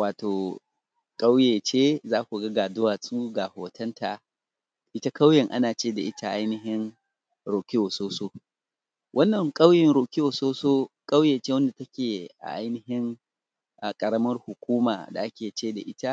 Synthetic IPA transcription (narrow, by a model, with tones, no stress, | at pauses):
waː˨toː˨ | kʼa˦wjeː˨t͡ʃeː˦zaː˦kʷu˨ɡɐ˦ɡaː˨dʊ˦waː˨sʼuː˦ɡa˨hoː˨tʰɐ˦ntʰa˨ | ʔɪ˦ta˦ka˦wjɛ˨ŋʔa˦naː˨t͡ʃeː˦da˨ʔɪ˦tʰa˦ʔa˦jnɪ˨ɦɪ˦ŋ | ɾoː˨kʲɪ˦oː˨soː˦soː˦ | wʔɐ˦nːɐ˨ŋkʼɐ˦wjɪ˨nɽoː˨kʲɪ˦woː˨soː˦soː˦kʼa˦wjeː˨t͡ʃeː˦wɐ˦nda˨tɐ˦kʲeː˨ʔa̰˨ʔa˦jnɪ˨ɦɪ˦ŋ | ʔa˨kʼɐ˨ɽɐ˦mɐ˦rhʊ˨kʷuː˦ma̰ː˨da̰˨ʔa˦kʲeː˨t͡ʃeː˦da̰˨ʔɪ˦ta˦